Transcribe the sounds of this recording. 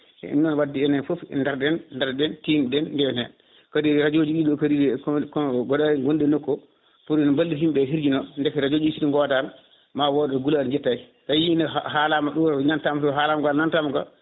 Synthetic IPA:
ɛ̰ʔḭnːɔnwadːiɛnɛnfofɛ̰ndaɾɗɛnndaɾdɛntindɛnːdɛnɛ | kadiɾad͡ʒod͡ʒiɗilokaɾiɾɛkɡɔɗaiɡondɛnɔkːɔ | puɾinɔbalːihimbɛɦiɾd͡ʒinɔndɛkɾad͡ʒod͡ʒuisidiŋɡɔtal | mawɔɗɔɡuladɲd͡ʒɛtːai | tajiinaɦalamaɗunantamsɔɦalamɡanantamɡa̰

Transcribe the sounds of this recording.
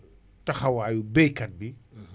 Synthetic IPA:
tɐxɐwaːjubekɐt̚bi

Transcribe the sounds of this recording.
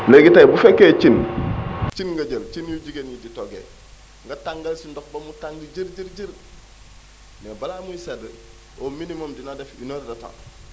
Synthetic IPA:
leɡitajbufekːet͡ʃin | t͡ʃinŋɡɐɟəlt͡ʃinjuɟiɡenjiditoɡḛ | ŋɡataŋɡɐlsindɔk̚bɐmutaŋɡiɟəɾɟəɾɟəɾ | nebalaːmujised | ominimomdinadefinoːɾdata̰ŋ

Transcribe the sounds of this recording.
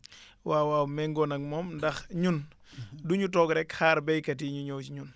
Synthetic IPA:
waːwawmɛŋɡɔnɐk̚mɔːmndɐxɲun | duɲutɔːɡɾɛkhaːɾbɛjkɐtiɲuɲɔːwt͡ʃɲun

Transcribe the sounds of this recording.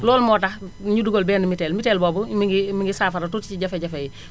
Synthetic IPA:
lɔːlmɔːtaɲuduɡolbɛːnumitɛːlmitɛlbɔːbumiɡimiŋɡisaːfaɾɐtutciɟɐfeɟɐfeji

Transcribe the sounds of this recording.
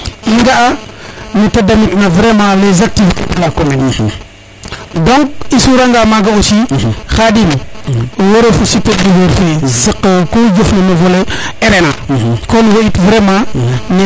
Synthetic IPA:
iŋɡaʔanetadamitnavɾemalezak̚tikelakomeni | doŋk̚isuɾaŋɡamaɡaosixadinwoɾefusitediveɾfezəkːəkod͡ʒufnamavoleeɾenakonweitvɾemane

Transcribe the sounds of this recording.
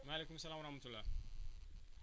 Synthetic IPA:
malekumsːɐlaːmwɐɾɐhmɐt̪ulːa

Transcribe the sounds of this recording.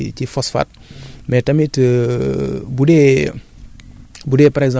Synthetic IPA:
cifɔsfa̰ːt̚mɛtɐmitə | budɛ | budɛpaɾɛɡzã

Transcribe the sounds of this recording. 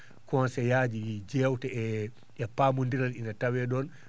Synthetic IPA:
kɔnsɛjaːd͡ʒid͡ʒɛwtɛɛ | ɛpamundiɾalinatawɛɗɔn

